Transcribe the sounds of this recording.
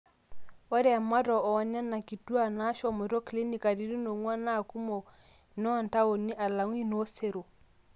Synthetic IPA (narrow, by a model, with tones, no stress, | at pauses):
wa˦ɾɛ˦a˨ma˦ɾɔ˨ɔ˨wa˨ɲa˦na˨ki˨tu˦a˦˨na˦ʃɔ˨mɔ˨ɾɔ˦kli˦ni˨ka˨ɾi˨˦ɾi˦no˨ŋwa˦na˦˨ku˦mɔ˨ | nɔ˦˨nta˦o˨ni˦ʔa˨la˨ŋ˦i˦nɔ˦se˦ɾo˨